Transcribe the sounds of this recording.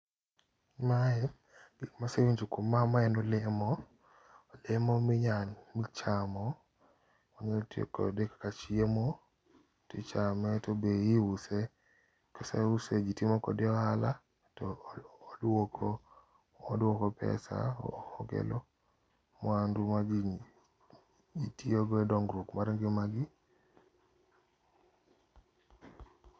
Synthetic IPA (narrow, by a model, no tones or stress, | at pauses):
maɛ | ɡ̥ikmasewuɲd͡ʒukomamaɛnɔlɪmɔ | lɪmɔmɪɲanmit͡ʃamɔ | ɔɲetjḛkɔ̰dekḁkat͡ʃiemɔ | tɪt͡ʃamɛtɔbeiuse | kasa̰used͡ʒitimɔkɔ̰deɔhala | tɔdwokʰɔ | ɔdwokɔpɛ̰sa̰ɔɡɛ̰lɔ | mɔandʊmaɡ | itioɡɔɛdɔŋɡɾokmaɾŋɡɪmaɡɪ